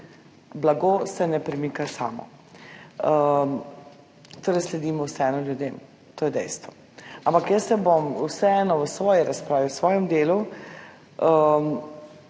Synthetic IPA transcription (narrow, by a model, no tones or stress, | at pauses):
blaɡoːsɛnɛpɾɛmikasa̰ːmɔ̰ | ə | t̪oːɾɛslɛd̪iːmɔwsɛɛnɔljud̪eːm | t̪oːjɛd̪ɛ̰jst̪ʋɔ | ampakjəsɛbomuwsɛɛːnɔʋəsʋɔːjiɾaspɾaːʋiwsʋɔːjɛmd̪eːlu